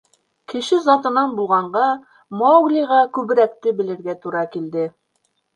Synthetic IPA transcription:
kɘ̆ʃɘzɑt̪ɤ̆nɑnbulˠʁɑɴɢɑ | mɑwliʁɑkʉβɘ̆ɾæk̚t̪ɘbɘ̆lɘ̆ɾɡæt̪uɾɑkild̪ɘ

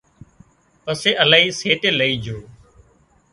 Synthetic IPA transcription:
pəseːʔəlaːiːseːʈeːləiːd͡ʒʱoː

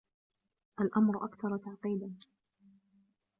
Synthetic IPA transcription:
ʔalʔamɾʊʔakθɑɾˤt̪ɑʕt̪ˤiːlan

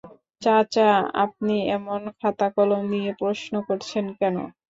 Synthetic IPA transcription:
t͡ɕat͡ɕaa̰p̚niɛmonkʰat̪akɔlonijepɾoʃnokoɾt͡ɕʰenkɛno̰

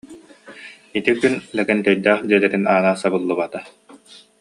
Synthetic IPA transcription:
it̪iɡynlɛɡɛnt̪ɛjd̪æːχd͡ʑiɛt̪ɛɾinaːnaːsabɯlˠːɯβat̪a

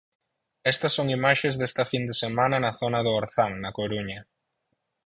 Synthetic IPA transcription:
ɛst̪ɐsːoŋimaʃẽzðɛst̪ɐfind̪esemanɐnɐθonɐðʊaɾθaŋnɐkoɾuɲɐ

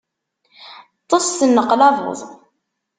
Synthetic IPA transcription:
t̪ˤːəsːənːəqlɑvə̰ðˤ

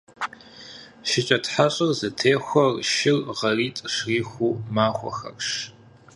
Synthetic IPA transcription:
ʃɪt͡ʃʼɐtħaɕʼɪrzɨtʰeːxʷɔrʃɪrʁɐriːtʼʂriːxʷuːmaːxʷɔ̰xɐ̰rʂ

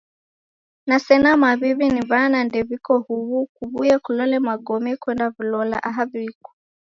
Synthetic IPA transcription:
nasɛnamaβiβiniβanandɛβikɔhuβukuβujɛkulɔlɛmaɡɔmɛkwɛndavilɔla̰ʔaɦaviku̥

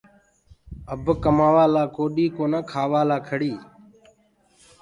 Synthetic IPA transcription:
əbkəmaːʋaːlaːkoːɗiːkoːnãːkʰaːʋaːlaːkʰəɽiː

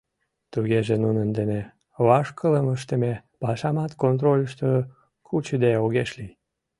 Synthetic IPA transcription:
t̪uɣeʒenunənd̪ene | βɑʃkʰələməʃt̪əmepɑʃɑmɑt̪kont̪ɾolʲəʃt̪o | kʰut͡ɕəd̪eoɣeʃlij

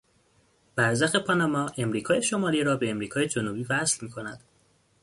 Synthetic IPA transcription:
b̥æɾzæxe̞pʰɒnɒːmɒːʔe̞mɾiːkʰɒːje̞ʃo̞mɒːliːɾɒːbe̞ːmɾiːkʰɒːje̞d͡ʒonuːbiːvæslmiːkʰo̞næd̪̥

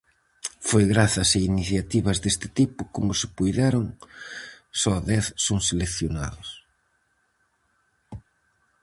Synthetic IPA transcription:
fojɣɾaθɐsɐiniθjat̪iβɐzðest̪ɪ̥t̪ipʊkomʊsɪpujðɛɾoŋ | sɔðɛθsoŋselekθjona̰ðʊs

